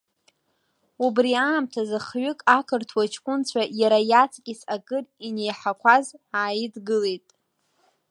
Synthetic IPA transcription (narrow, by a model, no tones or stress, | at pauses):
ubriaːmtʰazɨχɥʊkʼakʰɨrtʰwat͡ʃʰkʷʼʊnt͡ɕʷʰajaɾajat͡sʰʼkʲʼisʼakʼɨrine̞jħakʷʰazaːjidɡɨle̞jtʼ